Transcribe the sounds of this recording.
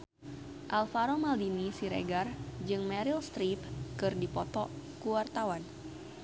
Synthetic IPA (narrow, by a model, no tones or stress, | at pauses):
ʔalfaɾomaldinisiɾḛɡard͡ʒɨŋmɛɾilst̪ɾipkɨrdipɔt̪ɔ | kuwart̪awan